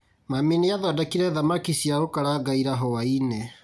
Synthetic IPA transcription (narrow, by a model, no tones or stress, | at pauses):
mamineaðadakiɾɛðamakisiaokaɾaɡaiɾaɦɔaine